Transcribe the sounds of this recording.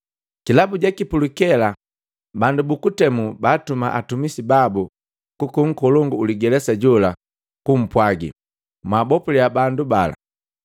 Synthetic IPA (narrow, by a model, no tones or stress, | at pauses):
kilabuɟakipulukɛla | bandubukutɛmubaːtuma̰ʔatumisibabu | kukuŋ̩kɔlɔŋɡuːliɡɛlɛsaɟɔla | kum̩pwaɡḭ | mwaːbɔpuliabandubala̰